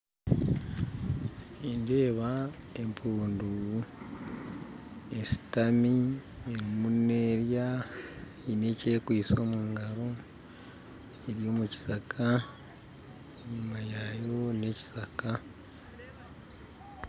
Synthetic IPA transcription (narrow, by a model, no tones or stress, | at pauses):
inde̞ːβa | e̞mpʰuːndu | esi̥tami | eɾimune̞ːɾja | ine̞ce̞kwiːso̞ːmuːŋɡaɾo | eɾijo̞ːmuci̥sakʰa | ɲumajajo̞ne̞ci̥saka